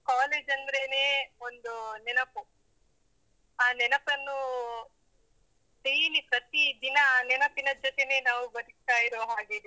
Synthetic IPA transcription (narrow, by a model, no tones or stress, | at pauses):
kaːleːd͡ʒɐnd̪ɐɾeneːond̪unɛnɐpu | aːnɛnɐpɐnːu | siːnipɾɐt̪id̪inɐnɛnɐpinɐd͡ʒɔt̪ene̞ːnaːʋubɐd̪ikt̪aːjiɾoːɦaːɡeː